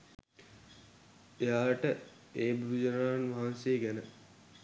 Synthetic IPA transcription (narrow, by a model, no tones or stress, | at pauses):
ejaːʈə | eːbuɾud͡ʒənaːnʋaɦanseːɡænə